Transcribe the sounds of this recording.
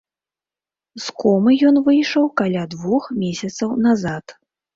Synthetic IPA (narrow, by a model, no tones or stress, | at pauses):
skɔmɨjɔnvɨjʂɐwkalʲad̪vuxmʲesʲɐt̪sɐwnazat̪